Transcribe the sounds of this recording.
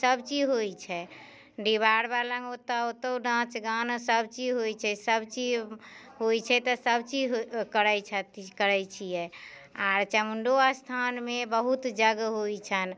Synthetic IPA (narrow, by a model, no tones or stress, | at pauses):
səbt͡ʃid͡ʒɦojt͡ʃʰɛ | ɖiβaɽbalə̃ŋot̪aot̪əwnãt͡ʃɡanəsəbt͡ʃiɦojt͡ʃʰɛsəbt͡ʃid͡ʒ | ɦojt͡ʃʰɛt̪ɔsəbt͡ʃid͡ʒkəɾɛjt͡ʃʰət̪kəɾəjt͡ʃʰijɛ | aɾt͡ʃəmuɳɖoast̪ʰanmebəɦut̪d͡ʒəɡɦojt͡ʃʰən